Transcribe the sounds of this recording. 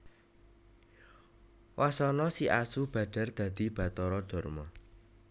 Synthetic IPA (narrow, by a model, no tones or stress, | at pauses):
wʔasɔnɔsiʔasub̥ä̤ɖ̥a̤rd̪̥ä̤d̪̥i̤b̥a̤t̪ɔɾɔd̪̥ɔ̤rmɔ